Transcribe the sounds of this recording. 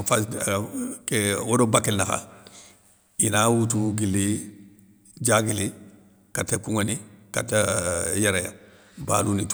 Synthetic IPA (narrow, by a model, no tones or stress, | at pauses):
fa | kewodobakelnaka̰ | inawutuɡili | d͡ʒaɡili | katɛkuŋanika̰tɛjɛɾɛja̰ | ba̰ːlunit